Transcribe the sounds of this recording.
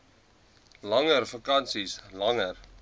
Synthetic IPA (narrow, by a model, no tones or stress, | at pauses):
lɐŋərfɐkɐnsislɐŋər